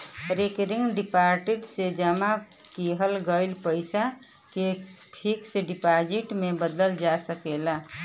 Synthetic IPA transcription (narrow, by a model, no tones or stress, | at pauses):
ɾekɾiŋɡɖipaɾʈiʈsed͡ʒəma | kiɦəlɡəjlpəɪsa | kepʰikseɖipad͡ʒiʈmebəd̪əld͡ʒasəkela